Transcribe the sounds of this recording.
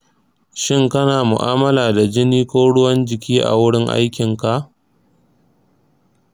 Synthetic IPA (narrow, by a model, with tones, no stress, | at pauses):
ʃɪ˦ŋkɐ˦naː˨mʊ˨ʔaː˦mɐ˦laː˨da˨d͡ʒɪ˦niː˦kʷoː˦ɽʊ˦wɐ˦nd͡ʒɪ˨kʲiː˦ʔa̰˨wʊ˦ɽɪ˦ŋʔa̰˦jkʲɪ˨ŋka˨ʔ